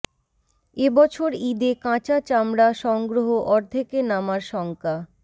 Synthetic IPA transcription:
ebɔt͡ɕʰoɾid̪ekãt͡ɕat͡ɕamɾaʃɔŋɡɾoɦoʔɔɾd̪ʱekenamaɾʃɔŋka

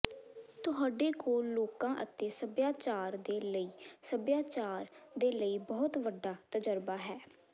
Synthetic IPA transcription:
t̪ʊɦaːɖeːkoːlːoːkãːʔət̪eːsəbjaːt͡ʃaːɾd̪eːləiːsəbjaːt͡ʃaːɾd̪eːləiːbɔːt̪ʋəɖːaːt̪əd͡ʒəɾbaːɦɛː

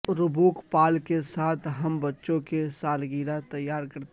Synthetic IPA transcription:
ɾʊbuːkpaːlkesaːt̪ʰɦɐmbɐtːʃõkesaːlɡiːɾat̪ɐjːaːɾkɐɾt̪

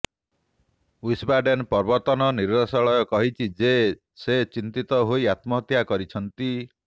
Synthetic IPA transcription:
uisbaɖenpɔɾbɔt̪ɔnɔniɾbasɔɭɔjɔkɔɦit͡ʃʰid͡ʒe | set͡ʃint̪it̪ɔɦoiat̪mɔɦɔt̪jakɔɾit͡ʃʰɔnt̪i

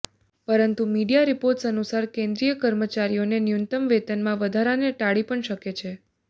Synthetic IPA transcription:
pəɾənt̪umiɖijaɾipoɾʈsənusaɾkẽnd̪ɾijəkəɾmət͡ʃaɾionenjunt̪əmʋet̪ənmãʋəd̪ʱaɾaneʈaɽipəɳʃəket͡ʃʰe

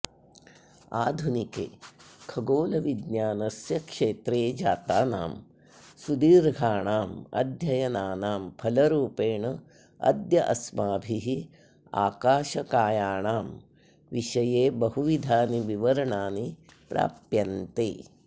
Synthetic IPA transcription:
aːd̪ʱunikḛːkʰɐɡoːlɐʋid̪njaːnɐsjɐkʂeːt̪ɾeːd͡ʒaːt̪aːna̰ːm | sud̪iːɾɡʱaːɳaːmɐ̰d̪ʱjɐjɐnaːnaːmpʰɐlɐɾuːpeːɳɐ | ɐ̰d̪jɐʔɐsmaːbʱiɦi | a̰ːkaːʃɐkaːjaːɳaːm | ʋiʃɐjeːbɐɦuʋid̪ʱaːniʋiʋɐɾɐɳaːnipɾa̰ːpjɐnt̪ḛː

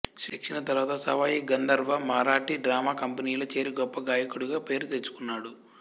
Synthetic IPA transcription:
ʃɐkʂɐnɐt̪ɐɾʋaːt̪ɐsɐ̰ʋaːjiɡɐnd̪ɐɾʋɐmaːɾaːʈiɖɾaːmaːkɐmpɐniːlot͡ʃe̞ːɾiɡɔpːɐɡaːjɐkuɽuɡaːpe̞ːɾut̪e̞t͡ʃːu̥kunːaːɽu

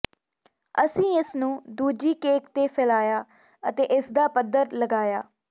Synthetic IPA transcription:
əsĩːɪsnũːd̪uːd͡ʒiːkeːkt̪eːpʰɛːlaːjaː | ət̪eːʔɪsd̪aːpəd̪əɾləɡaːjaː

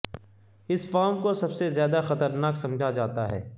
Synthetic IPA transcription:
ɪsfɔːmkosɐbsezjaːd̪axɐt̪əɾnaːksɐ̃md͡ʒʱad͡ʒaːt̪aɦɛ̰ː

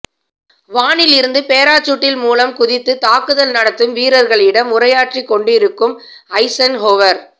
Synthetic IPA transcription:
ʋaːɳɪlɪɾɯnd̪ɯpeːɾaːt͡ʃːʊʈːɪlmuːlɐmkʊðɪt̪ːɯt̪aːkɯðɐlnɐɽɐt̪ːɯmʋiːɾɐɾɣɐɭɪɽɐmʊrɐjaːʈrikːɔɳɖɪɾɯkːɯm | ɐɪsɐnɦoːʋɐɾ

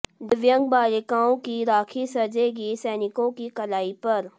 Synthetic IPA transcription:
d̪ɪʋjə̃ŋɡ̚baːlɪkãːõkiɾaːkʰisɐɾd͡ʒeɡisɛːnɪkõkikɐlaːipɐɾ

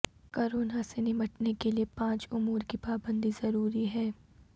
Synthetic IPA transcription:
kɔːɾoːnasenɪməʈnekeliepãːt͡ʃʊmuːɾkipaːbə̃nd̪izɐɾuːɾiɦɛː

